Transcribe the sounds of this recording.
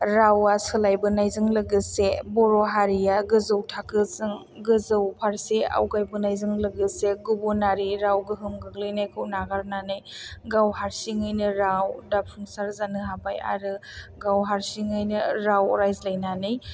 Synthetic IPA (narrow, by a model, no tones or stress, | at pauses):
ɾawasɯlajbɯnajzɯŋlɯɡɯsebɔɾɔɦaɾijaɡɯzɯwtʰakɯzɯŋ | ɡɯzɯwpʰaɾsea̰wɡajbɯnajzɯŋlɯɡɯseɡubɔnaɾiɾawɡɯɦɯmɡɯɡlɯjnajkʰɯwnaɡaɾnanɯjɡawhaɾsiŋɯjnɯɾawdapʰuŋsaɾzanɯɦapaja̰ɾɯɡawɦaɾsiŋɯjnɯɾawɔ̰ɾajzlajnanɯj